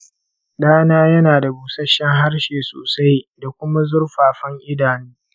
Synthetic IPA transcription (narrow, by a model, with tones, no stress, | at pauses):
ɗaː˦naː˦jɐ˦naː˨da˨buː˨sɐ˦ʃːɛ˦ŋɦa˦rʃeː˨so̰ː˨sa˦jda˨kʷʊ˦ma˦zʊ˦rɸaː˨ɸɐ˦ŋʔɪ˦daː˨niː˦